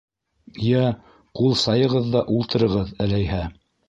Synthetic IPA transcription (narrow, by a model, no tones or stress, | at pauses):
jæ | qulˠsɑjɤ̆ʁɤðːɑʔulˠt̪ɤ̆ɾɤ̆ʁɤðælæjɦæ